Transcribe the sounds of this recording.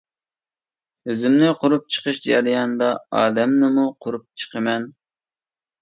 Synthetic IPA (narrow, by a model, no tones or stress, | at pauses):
øzɪmnɪqʰʊɾup̚t͡ʃʰə̥qʰəʃd͡ʒæɾijɑnd̪ɑɑːd̪ɛmnɪmuqʰʊɾup̚t͡ʃʰə̥qʰəmɛn